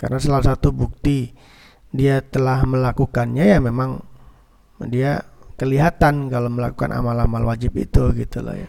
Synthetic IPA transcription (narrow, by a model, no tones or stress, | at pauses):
ka̰rnasalaasat̪ubuk̚t̪i | diat̪əlahməlakukanɲajamemaŋ | diakəliɦat̪ankaloməlakuka̰nʔa̰malamalwad͡ʒɪpḭt̪uɡit̪ula̰hja̰